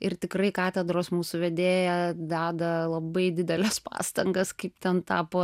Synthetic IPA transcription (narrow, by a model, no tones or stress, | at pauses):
ɪrt̪ʲɪkrɐɪkɑːt̪ʲɛd̪ɾoːsmuːsʊʋʲɛd̪ʲeːjɛd̪ɑːd̪ɐlˠɐbɐɪd̪ʲɪd̪ʲɛlʲɛspɑ̰ːst̪ɐŋɡɐskɐɪpt̪ʲɛnt̪ɑːpoː